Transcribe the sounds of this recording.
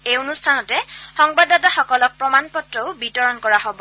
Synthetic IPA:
eonustʰanɔtɛxɔŋbadataxɔkɔlɔk̚pɹɔmanpɔtɹɔʊbitɔɹɔnkɔɹaɦobɔ

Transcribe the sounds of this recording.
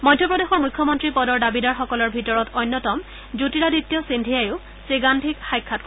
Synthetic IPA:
mɔjdʱjɔpɹɔdexɔɹmujkʰːjɔmɔntɹipɔdɔɹdabidaɹxɔkɔlɔɹbʱitɔɹɔtʰɔjnːjɔtɔm | d͡ʒutiɹaditːjɔsindʱijajʊ | seɡandʱikxajkʰːat̚kɔ

